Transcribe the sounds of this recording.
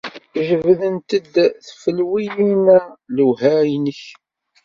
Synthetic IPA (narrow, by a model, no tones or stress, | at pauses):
ʒəvðənt̪əd̪θfəlwijimæluhæjnəç